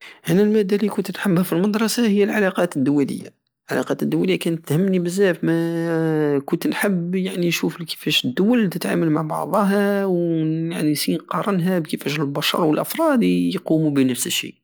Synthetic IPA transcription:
ʔænælmæd̪ːælikʊnt̪ənħəbhæfilmɑd̪ɾˤɑsahəjːælʕalɑqɑt̪əd̪ːʊwːælə̰jːa̰ | lʕa̰lɑqɑt̪əd̪ːʊwːæləjːækænt̪həmnibəzːæfmæ | kʊnt̪nħəbjaʕninʃuflkə̥fæʃəd̪ːʊwælːit̪ət̪ʕa̰məlmaʕbɑ̰ʕd̪ˤɑɦæwjaʕnisinqɑɾˤənɦæbkəfæʃlbɑʃɑ̰ɾˤwəlʔəfɾˤɑd̪jqumubənəfsəʃːḭ

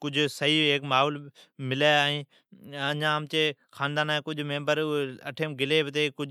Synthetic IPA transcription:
kʊd͡ʒʱsəɦiːeːkmaːɦoːlmɪlaːaːɦĩː | əɲãːmt͡ʃeː | xʰaːnd̪aːnaːẽːkʊd͡ʒʱmẽːmbəɾəʈʰeːmɡɪleːbɪt̪eːkʊd͡ʒ

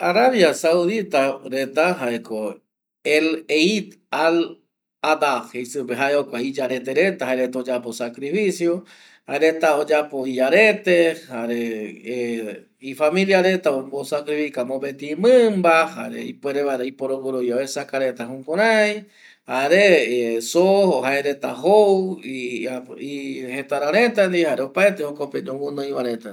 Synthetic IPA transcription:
aɾaβjasawðit̪aɾet̪aɦaeko | eleit̪ | al | ad̪axisɨpeɦaeokʷaid͡ʒaɾet̪eɾet̪aɦaɾet̪aod͡ʒaposakɾifisjo | haeɾet̪aod͡ʒapoid͡ʒaɾet̪ehaɾee | ifamĩljaɾe̞t̪aokosakɾifikamõbet̪imɨ̃mbaha̰ɾḛḭpweɾeβaeɾeipoɾoβuɾoβjaesakaɾet̪aɦũkoɾaj | haɾesooɦaeɾet̪aɦow | ihet̪aɾaɾẽt̪and̪ihaɾeopaet̪ehokoped͡ʒowunõĩβaɾet̪a

